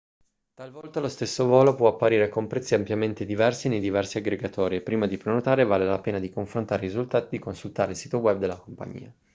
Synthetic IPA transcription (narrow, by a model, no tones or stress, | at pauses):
t̪alvɔlt̪alost̪esːovɔːlopwɔapːaɾiːɾekompɾɛt̪sːiampjament̪ed̪ivɛrsinejd̪ivɛrsiaɡɾeɡat̪ɔːɾiepːɾiːmad̪ipɾenot̪aːɾevaːlelapeːnad̪ikoɱfɾont̪aːɾerizult̪aːt̪id̪ikonsult̪aːɾeilsiːt̪owɛb̚d̪elːakompa̰ɲːḭːa